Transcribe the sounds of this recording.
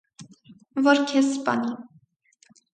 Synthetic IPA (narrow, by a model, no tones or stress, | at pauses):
vɔɾkʰɛspɑ̰ni